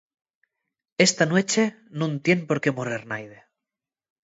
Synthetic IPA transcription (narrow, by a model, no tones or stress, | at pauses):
est̪anwet͡ʃe̞ | nũnt̪je̞mpo̞ɾke̞moreɾnajðe